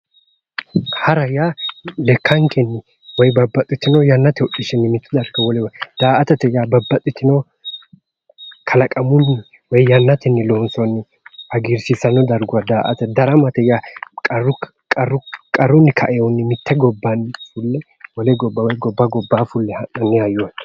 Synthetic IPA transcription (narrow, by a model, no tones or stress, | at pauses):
hɐɾɐjaːlɛkːɐŋkʰɛnːɪ | wɔjbɐbːɐt̪ʼːɪt̪ːɪnɔwjɐnːɐt̪ɛʊɗːɪʃɪnːɪmɪt̪ːɛd̪ɐɾɡɐwɔlɛwd̪̥aːʔɐt̪ɛt̪ːɛjaːbɐbːɐt̪ʼːɪt̪ɪnɔw | kʰɐlɐkʼɐmʊnːɪ | wɔjjɐnːɐt̪ɪnːɪloːnsɔnːɪ | hɐɡiɾsɪsɐnɔd̪ɐɾɡʊwɐd̪aːʔɐ̰t̪ɛd̪ɐɾɐmɐt̪ɛjakʼɐrʊ | kʼɐrʊkʼɐrːʊnːɪkʰɐʔɛjɔnːɪmɪt̪ːɛɡɔbːɐnːɪfʊlːɛ | wɔlɛɡɔbːɐwɔjɡɔbːɐɡɔbːaːfʊlːɛhɐnɐnːɪhɐjoːn